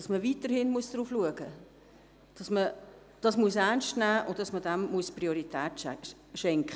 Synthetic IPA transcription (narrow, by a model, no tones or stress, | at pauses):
d̥ɑsməviːtəɾhɪnmuəsd̥ɾuːfluəɡə | d̥ɑsmə | d̥ɑsmuəsæɾnʃtnæːʔʊnt̚dɑsmədæmmuəsprioɾitʰɛːt | ʃɛŋkχə